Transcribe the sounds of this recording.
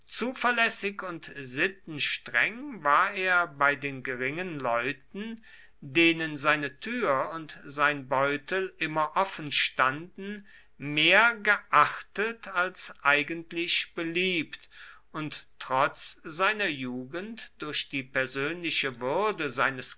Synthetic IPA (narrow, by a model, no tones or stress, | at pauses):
t͡suːfɐlɛsɪkʊntzɪtn̩ʃtʁ̥ɛŋvaːɐʔeːɐbaɪdeːnɡəʁɪŋənlɔʏtn̩ | deːnənzaɪnətʰyːɐʊntz̥aɪnbɔʏtʰl̩ʔɪmɐʔɔfn̩ʃtandn̩ | meːɐɡəʔaχtətalsʔaɪɡəntlɪçb̥əliːptʔʊntː | ʁ̥ɔt͡sz̥aɪnɐjuːɡəntd̥ʊɐçd̥iːpɛɐzøːnlɪʃəvʏɐdəzaɪnəs